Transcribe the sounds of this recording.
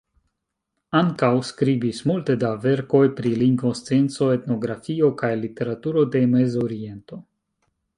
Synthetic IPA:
aŋkawskɾibismulte̞dave̞ɾko̞jpɾiliŋɡvo̞st͡sient͡so̞e̞t̪no̞ɡɾafio̞kajlite̞ɾatuɾo̞de̞mezoɾie̞nto̞

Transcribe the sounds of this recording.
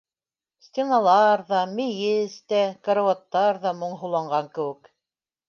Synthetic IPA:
sʲt̪ʲenɑlˠɑɾðɑmejɘst̪ækɐɾowat̪ːɑɾðɑmŏɴɦŏlˠɑɴɢɑŋkɘ̆wɘ̆k

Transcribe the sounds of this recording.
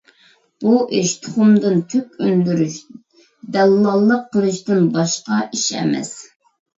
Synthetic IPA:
b̥uʔeʃt̪ʰɨχʊmd̪ɨnt̪ʰøkʲønd̪yɾyʃ | d̪ɛlːɑlˠːəqʰːəlˠɨʃt̪ɨnbɑʃqɑʔiʃɛ̰mɛ̰s

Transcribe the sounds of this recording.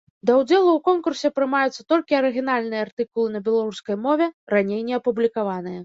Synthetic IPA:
d̪ɐwd͡zʲɛlˠuwkɔnkursʲɛpɾɨmajut̪sːɐ̥t̪ɔlʲkʲiɐɾɨɣʲinalʲnɨjɛart̪ɨkulˠɨnɐbʲɛlˠaɾuskɐjmɔvʲɛranʲejnʲɛɐpublʲikavanɨjɐ

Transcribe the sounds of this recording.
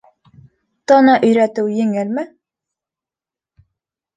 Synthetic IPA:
t̪ɒnɑʔɵ̆jɾæt̪ɘwjɘ̆ŋɘlmɘ

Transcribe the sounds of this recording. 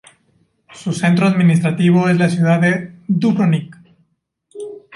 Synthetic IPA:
suse̞nt̪ɾoaðmĩnist̪ɾat̪iβ̞o̞e̞zlasjuðaðed̪uβɾonik

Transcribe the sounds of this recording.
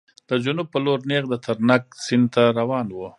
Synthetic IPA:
d̪̥əd͡ʒʊnub̚pəloɾneɣd̪ət̪ʰaɾnak̚sɪnd̪̚t̪aɾawɑnwu

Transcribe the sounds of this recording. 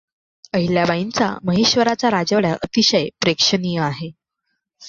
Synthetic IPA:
əɦiljabaint͡sa̰məɦeɕʋəɾat͡saɾad͡ʑəʋɭjaʔət̪iɕəjpɾekʂənijəaɦe

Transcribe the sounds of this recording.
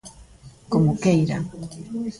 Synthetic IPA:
komokejɾa̰

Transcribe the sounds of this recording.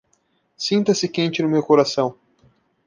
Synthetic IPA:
sĩnt̪ɐsɪkẽnt͡ʃɪnʊmewkoɾasɐ̃w̃

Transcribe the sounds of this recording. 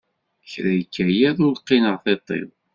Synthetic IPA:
çɾæjəkːæjæðʊɾqːinəʁθet̪ˤːḛðˤ

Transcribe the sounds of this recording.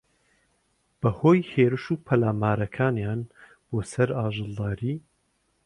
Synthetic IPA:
b̥ɐhoːjheːɾɨʃuːpʰɐlaːmaːɾɐkʰaːnjaːn | b̥oːsɐɾaːʒɨlˠd̪aːɾiː

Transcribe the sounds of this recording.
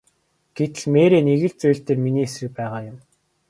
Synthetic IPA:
ɡ̥et̪ɘ̆ɮmeːɾeːniɣɘ̆ɮt͡suj̆ɬt̪eːrminiːesrɘ̆k̚pæːʁaːjʊ̆m

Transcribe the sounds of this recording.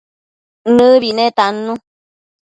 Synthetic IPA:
nɨ̃βinẽt̪anũ

